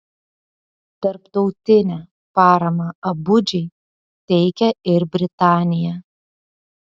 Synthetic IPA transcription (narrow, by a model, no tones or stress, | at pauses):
t̪ɐɾpt̪ɒʊt̪ʲɪnʲæ | pɑːɾɐmɐɐbʊd͡ʒʲɛɪ | t̪ʲɛɪkʲɛɪɾbʲɾʲɪt̪ɑːnʲɪjɛ